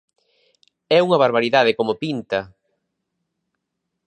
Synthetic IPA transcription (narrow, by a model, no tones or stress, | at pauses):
ɛuŋɐβaɾβaɾiðaðɪkomopint̪ɐ